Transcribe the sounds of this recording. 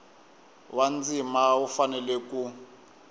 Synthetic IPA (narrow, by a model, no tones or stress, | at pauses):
wand͡zimaufanɛlɛku